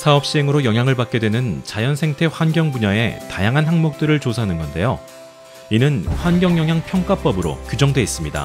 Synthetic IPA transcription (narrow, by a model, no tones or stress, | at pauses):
sʰaʌp̚ɕ͈iɦe̞ŋɯɾojʌŋɦjaŋɯɭpak͈̚edwenɯnt͡ɕajʌnsʰe̞ŋtʰe̞ɸwanɡjʌŋbuɲae̞tajaŋɦanhaŋmok̚t͈ɯɾɯɭt͡ɕosʰaɦanɯnɡʌnde̞̰jo | inɯnɸwanɡjʌŋjʌŋɦjaŋpʰjʌŋk͈ap͈ʌbɯɾo̰kjud͡ʑʌŋdwe̞is͈ɯmɲida̰